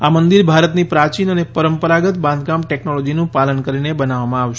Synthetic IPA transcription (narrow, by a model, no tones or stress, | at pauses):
amənd̪iɾbʱaɾət̪nipɾat͡ʃinənepəɾəmpəɾaɡət̪bãnd̪ʱɡamʈɛknolɔd͡ʒinũpalənkəɾinebənaʋamãaʋʃe̥